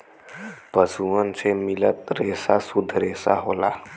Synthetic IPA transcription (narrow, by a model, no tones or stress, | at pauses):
pəsuənsʰemilət̪ɾeːsasud̪ʱːɾeːsa̰ɦola